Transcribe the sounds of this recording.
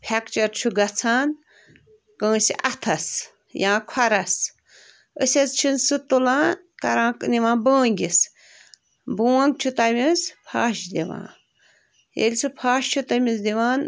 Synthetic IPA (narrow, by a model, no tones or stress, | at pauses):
pʲʰekt͡ʃɐɾt͡ʃʰuɡɐt͡sʰaːn | kə̃ːsiʔɐt̪ʰɐs | jãːkʰɐɾɐs | əsʲɐzt͡ʃʰinsɨt̪ulãːn | kɐɾãːkniʋãːbə̃ːŋɡʲis | buːɐŋɡ̚t͡ʃʰut̪ɐmʲispʰaːʃd̪iʋã̰ː | jḛlʲsʰɨpʰaːʃt͡ʃʰut̪ɐmisd̪iʋaːn